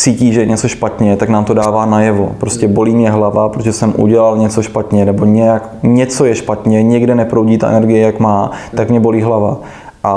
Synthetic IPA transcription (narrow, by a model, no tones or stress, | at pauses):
t͡siːciːʒɛjɛɲɛt͡soʃpat̪ɲɛt̪aknaːmt̪o̞daːvaːnajɛvo̞̰pɾo̞scɛbo̞liːmɲɛɦlavapɾot̪oʒɛsɛmʔṵɟɛlalɲɛt͡so̞ʃpat̪ɲɛnɛbo̞ɲɛjak | ɲɛt͡so̞jɛʃpat̪ɲɛɲɪɡdɪnɛpɾowɟiːt̪a̰ʔɛ̰nɛɾɡɪjɛjakmaːt̪akmɲɛboliːɦlava | ʔa